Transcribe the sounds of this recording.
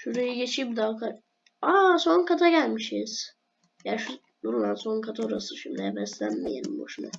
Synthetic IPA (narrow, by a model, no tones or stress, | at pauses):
ʃuɾejiɟet͡ʃʰib̚d̪akʰa | aso̞nkʰat̪ʰaɟælʲmiʃiz̥ | jaːʃu | d̪uɾunˠanso̞nkʰat̪ʰaoɾasɯʃimd̪ijɛbɛslʲænmijḛlʲḭmbo̰ʃuna